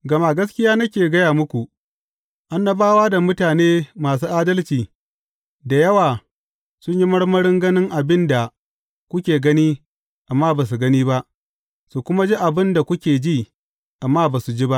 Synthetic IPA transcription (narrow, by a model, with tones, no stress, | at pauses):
ɡɐ˨ma˦˨ɡɐ˦skʲɪ˦jaː˦nɐ˦kʲeː˨ɡɐ˦jaː˨mʊ˦kʷu˨ʔ | ʔa˦nːɐ˦baː˦waː˦da˨mʊ˦taː˨neː˦maː˨s̬uː˦ʔaː˦dɐ˦lt͡ʃiː˨ | da˨jɐ˦waː˨ | sʊ˦ɲji˦mɐ˦ɽmɐ˦ɽɪ˦ŋɡɐ˦nɪ˦ŋʔa˨bɪ˦nda˨ | kʷʊ˦kʲeː˨ɡɐ˦niː˦ | ʔa˨mːaː˦baː˨s̬u˨ɡɐ˦niː˦ba˦ʔ | su˨kʷʊ˦ma˦d͡ʒi˦ʔa˨bɪ˦nda˨kʷʊ˦kʲeː˨d͡ʒiː˦˨ | ʔa˨mːaː˦baː˨su˨d͡ʒi˦ba˦ʔ